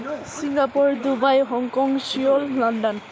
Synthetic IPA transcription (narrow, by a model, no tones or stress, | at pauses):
siŋɡapuɹdubajɦɔŋkɔŋsijɔllɔndɔn